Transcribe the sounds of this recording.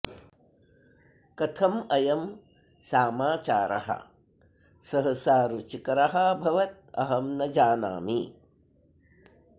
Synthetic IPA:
kɐt̪ʰɐmɐjɐm | saːmaːt͡ʃaːɾʔɐ̰ɦɐ̰ | sɐɦɐsaːɾut͡ʃikɐɾɐɦɐbʱɐʋɐt̪̚ɐ̰ɦɐmnɐd͡ʒaːna̰ːmi

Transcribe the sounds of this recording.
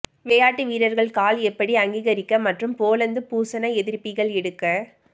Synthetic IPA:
ʋeːjaːʈːɯʋiːɾɐɾɣɐɭkaːlɛpːɐɽiɐŋɡiːɣɐɾɪkːɐmɐʈrɯmpoːlɐnd̪ɯpuːsɐnɐɛðɪɾpːɪɣɐɭɛɽɯkːɐ

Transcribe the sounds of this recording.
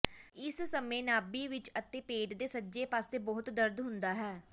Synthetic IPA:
ɪssəmẽːnaːbiːʋɪt͡ʃət̪ẽːpeːɖd̪eːsəd͡ʒeːpaːseːbɔːt̪d̪əɾd̪ɦʊnd̪aːɦɛː

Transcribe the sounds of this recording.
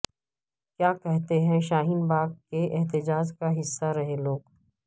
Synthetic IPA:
kjaːkɛɦt̪eɦɛ̃ʃaːɦinbaːɡkeʔɛɦt̪ɪd͡ʒaːd͡ʒkaɦɪsːaɾɐɦeloːɡ

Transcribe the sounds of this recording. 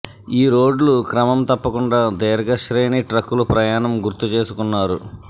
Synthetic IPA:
iːɾo̞ːɖlukɾɐmɐmt̪ɐpːɐkuɳɖaːd̪eːɾɐɡɐʃɾe̞ːniʈɾɐkːulupɾɐjaːnɐmɡuɾt̪ut͡ʃe̞ːsukunːaːɾu

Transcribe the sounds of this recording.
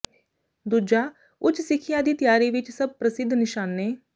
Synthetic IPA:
d̪ud͡ʒaː | ʊt͡ʃsɪkʰijãːd̪iːt̪ɪjaːɾiːʋɪt͡ʃsəb̚pɾəsɪd̪ʱːnɪʃaːnːeː

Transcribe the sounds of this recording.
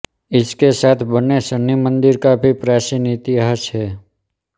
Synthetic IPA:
ɪskesaːt̪ʰbənesənimə̃nd̪ɪɾkabʱipɾaːsinit̪iaɦət͡ʃɦɛː

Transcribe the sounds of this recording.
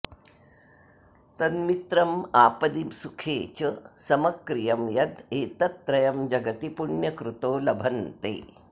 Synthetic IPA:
t̪ɐnmit̪ɾɐmaːpɐd̪imsukʰeːt͡ʃɐsɐmɐkɾijɐmjɐd̪eːt̪ɐt̪̚pɾɐjɐmd͡ʒɐɡɐt̪ipuɳjɐkɾut̪oːlɐbʱɐnt̪ḛː

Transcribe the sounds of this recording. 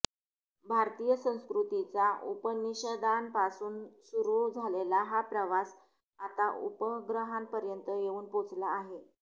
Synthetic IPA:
bʱaɾt̪ijəsə̃w̃skɾut̪it͡saʔupəniɕəd̪anpasuːnsuɾud͡zʱalelaɦapɾəʋas | at̪aṵpəɡɾəɦampəɾjənt̪əjeuːnpot͡slaːɦe

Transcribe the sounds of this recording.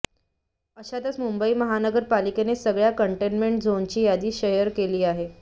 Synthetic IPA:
əɕat̪ət͡smumbəiːməɦanəɡəɾpalikenesəɡɭjakəɳʈenmeɳʈd͡zont͡ɕiːjad̪iːɕəjəɾkeliːaɦe

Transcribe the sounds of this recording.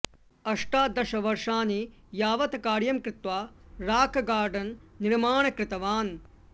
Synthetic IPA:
ɐʂʈaːd̪ɐʃɐʋɐɾʂaːni | jaːʋɐt̪ɐkaːɾjɐmkɾɪt̪ʋaːɾaːkɐɡaːɾɖɐnniɾmaːɳɐkɾɪt̪ɐʋaːn

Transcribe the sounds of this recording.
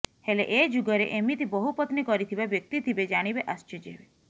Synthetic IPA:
helḛʔed͡ʒuɡəɾḛʔemit̪ʰibɔɦupət̪nikɔɾit̪ʰibabjək̚t̪it̪ʰibed͡ʒaɽ̃ibeʔəst͡ʃed͡ʒeʋe

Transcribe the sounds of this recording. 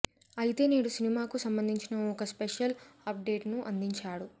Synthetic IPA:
ɐjit̪e̞ːniːɽusinimaːkusɐmbɐnd̪ʱiɲt͡ʃinɐɔkɐspeʂjɐlɐp̚ɖe̞ːʈnuʔɐnd̪iɲt͡ʃaːɽu

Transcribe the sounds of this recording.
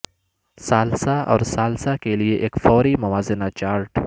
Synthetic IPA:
saːlsaʔɔ̰ːɾsaːlsakelieʔeːkfɔːɾimɐwaːzɪnat͡ʃaːɾʈ

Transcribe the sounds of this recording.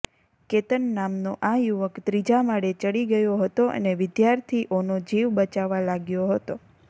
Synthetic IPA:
ket̪ənːamnoʔajuʋəkt̪ɾid͡ʒamaɽet͡ʃəɽiɡəjoɦət̪oʔə̰neʋɪd̪jaɾt̪ʰiʔonod͡ʒiʋbət͡ʃaʋalaɡjoɦət̪o

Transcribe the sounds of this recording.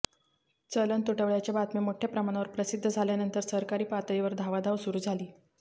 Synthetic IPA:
t͡sələnt̪uʈəʋɭjat͡ɕebat̪memoʈʰepɾəmaɽ̃aʋəɾpɾəsid̪ʱːəd͡zʱaljanənt̪əɾsəɾkaɾiːpat̪əiʋəɾd̪ʱaʋad̪ʱaʋsuɾuːd͡zʱaliː

